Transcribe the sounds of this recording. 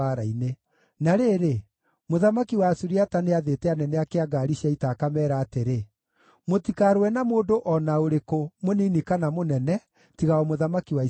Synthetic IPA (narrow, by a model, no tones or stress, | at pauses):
aɾaine | naɾeːɾe | moðamakiwaːsuɾiataneaðetɛanɛnɛakeaɡaːɾiɕiaitakamɛːɾaːteɾe | motikaɾwɛnamoːdoʔɔnaoɾekomoninikanamonɛnɛ | tiɣaɔmoðamakiwai